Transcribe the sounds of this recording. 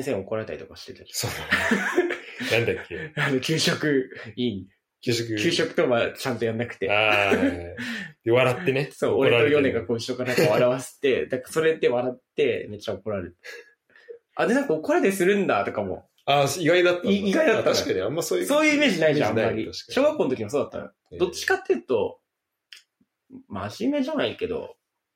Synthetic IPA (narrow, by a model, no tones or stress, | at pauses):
asẽɰ̃o̞koɾaɾe̞t̪a̰ɾit̪o̞kaɕi̥t̪e̞t̪ḁsoːnan | nãnd̪akʲːeano̞kʲɨːɕo̞kɯ̟ĩne | kʲːokkʰʲɨːɕo̞kɯ̟t̪o̞mat͡ɕãnt̪o̞jãnːakɯ̟t̪e̞a | d̪eβaɾat̪ːe̞neso̞ːoɾeojo̞nnẽ̞ŋɡakoːiɕo̞kanaŋkaβaɾaβase̥t̪ːe̞d̪akaso̞ɾe̞t̪ːe̞βaɾat̪ːe̞me̞t͡ɕaoko̞ɾaɾet̪e̥ | ad̪enaŋkaokoɾad̪esɨɾɯ̟̃nd̪at̪o̞kamo̞̰ | aiɡaid̪at̪ːiiɡaid̪at̪ːaaaamːasosoːjɯ̟ːime̞ːʑinaid̪eaammːaɾʲiɕo̞ːɡakːoːnot̪okʲiias̬oːd̪at̪ːã̰n | d̪o̞t͡ɕːi̥kat̪ːeɯ̟t̪o̞ | maʑime̞ʑanaike̞d̪o̞̰